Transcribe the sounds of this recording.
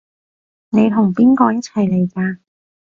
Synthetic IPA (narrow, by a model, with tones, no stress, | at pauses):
ne˨˧jt̪ʰʊ˨˩ŋpiː˥nkɔː˧jɐ˥t͡sʰɐ˨˩jle˨˩jkaː˧